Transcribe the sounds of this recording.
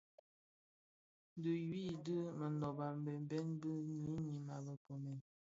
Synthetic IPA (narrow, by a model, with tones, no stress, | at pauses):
n˦də˨ji˦də˦mə˨ndɔ˨ba˨m˨be˨m˦bɛ˦nbə˦ɲi˨˦ɲi˨ma˨bə˨po˨mɛ˨